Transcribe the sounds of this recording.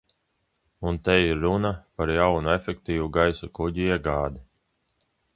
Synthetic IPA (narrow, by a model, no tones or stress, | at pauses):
unt̪ɛjiɾːunapaɾjawnuefʲɛkt̪iːvuɡajsukuɟiiɛɡaːd̪i